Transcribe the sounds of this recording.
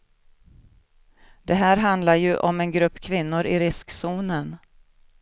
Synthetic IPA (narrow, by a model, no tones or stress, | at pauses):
d̪̥ɛɦæːɾɦand̪laɾjɵʔɔmɛnɡɾɵpːkʰvɪnːʊɾɪɾɪsksuːnən